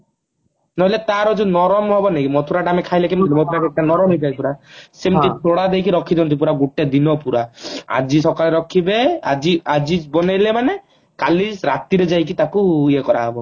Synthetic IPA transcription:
nɔɦɔlet̪aɾɔd͡ʒunɔɾɔmɦɔbɔnekimɔt̪ʰuɾaʈamekʰajlekimɔnlimopuɾakɛk̚ʈanɔɾɔmipapuɾasemt̪it̪oɽad̪ejkiɾɔkʰːid͡ʒɔnt̪ip̬uɾaɡuʈed̪inɔpuɾaa̰d͡ʒisɔkaleɾɔkʰibead͡ʒiad͡ʒibɔnalemane | kaliɾat̪iɾed͡ʒajkit̪akuiekɔɾaɦɔbɔ

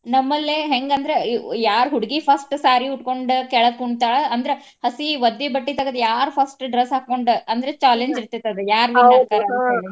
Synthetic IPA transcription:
nɐmːɐlːeɦeŋɡɐnd̪ɐɾejaːɾɦuɽiɡipʰɐsʈsaːɾiuʈko̞ɳɖkɛɭɐd̪̚kuɳt̪aːɭeɐnd̪ɐɾe | hɐsiʋɐd̪ːibɐʈːit̪ɐɡɐd̪jaːɾpʰɐsʈɖɾesɦaːkːoɳɖɐnd̪ɐɾet͡ʃaːleɲd͡ʒiɾt̪it̪ːɐd̪ejaːɾʋilakaːɾɐɐeːɭi

